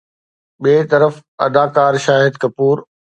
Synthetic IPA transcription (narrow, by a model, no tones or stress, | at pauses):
ɓeːt̪ɐɾəfɐ̰d̪aːkaːɾʃaːɦɪd̪kɐpuːɾ